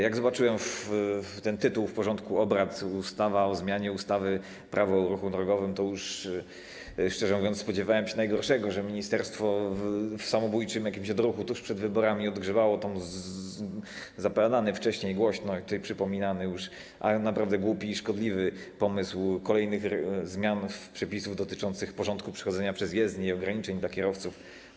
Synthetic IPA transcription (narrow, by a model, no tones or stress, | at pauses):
jaɡzɔbat͡ʂɘwɛmft̪ɛnt̪ɘt̪uwfpɔʐɔnt̪kuɔbɾat̪ust̪avaɔzmʲjaɲɛust̪avɘ | pɾʔavɔːɾuxud̪ɾɔɡɔvɘmt̪ɔjuʂ | ʂt͡ʂɛʐɛmuvʲjɔnt̪sspɔd͡ʑɛvawɛmɕɛnajɡɔɾʂɛɡɔʐɛmʲiɲist̪ɛɾst̪fɔfsamɔbujt͡ʂɘmjakʲimɕɔd̪ɾuxut̪ɔuʂpʂɛd̪vɘbɔɾamʲiɔd̪ɡʐɛvawɔt̪ɔm | zapɛd̪anɘft͡ʂɛɕɲejɡwɔɕnɔit̪ut̪ajpʂɘpɔmʲinanɘjuʂ | ʔanapɾavd̪ɛɡwupʲiːʂkɔd̪lʲivɘ | pɔmɘswkɔlɛjnɘxzmʲjanfpʂɛpʲisuvd̪ɔt̪ɘt͡ʂɔnt̪sɘxpɔʐɔnt̪kupʂɛ̥xɔd̪zɛɲapʂɛzjɛzd̪ɲiɔɡɾaɲit͡ʂɛɲd̪lakʲɛɾɔft̪suf